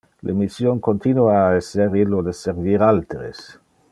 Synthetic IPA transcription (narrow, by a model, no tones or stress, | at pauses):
lʔemisjoŋkont̪inuaeseɾiloðeseɾviɾalt̪ɾḛs